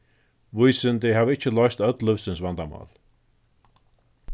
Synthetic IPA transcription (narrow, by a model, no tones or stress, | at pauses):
vujsɪnt̪ɪɦavɪt͡ɕːəlɔjst̪œt̪lʏfsɪnsvant̪ama̰ːl